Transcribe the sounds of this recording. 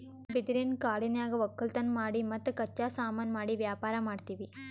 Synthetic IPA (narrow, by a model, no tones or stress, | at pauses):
bid̪ɾinkaːɽinjaːɡɐʋɐkːɐlt̪ɐnːmaːɽimɐt̪ːɐkɐt͡ʃːaːsaːmɐnmaːɽiʋjaːpaːɾɐmaːɖt̪iːʋi